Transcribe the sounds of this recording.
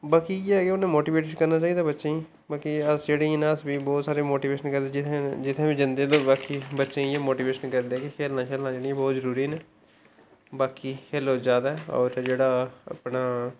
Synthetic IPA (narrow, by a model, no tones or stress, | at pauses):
baːkiːɛːkeonẽːmoːʈiːbeːʈkəɾnaːt͡ʃaːiːd̪aːbətːʃẽ | baːkiəsd͡ʒeːɽiːnẽːəsbiːbɔːt̪saːɾeːmoːʈiːʋeːʃənkəɾd̪ed͡ʒɪ̃d͡ʒɪt̪ʰːẽːbid͡ʒɪnd̪eːd̪õːbaːkiːbətːʃẽːjeːmoːʈiːʋeːʃənkəɾd̪eɛːkɪkʰeːlnãːkʰeːlnãːd͡ʒeːɽiãːbɔːt̪zəɾuːɾiːne | baːkiːkʰeːlod͡ʒjaːd̪aɛːɔ̰ːɾd͡ʒeːɽaːa̰ːpɳaː